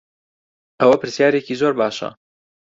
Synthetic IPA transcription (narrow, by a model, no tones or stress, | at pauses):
ʔɐwɐpɨɾsjaːɾeciːzoːɾbaːʃɐ̰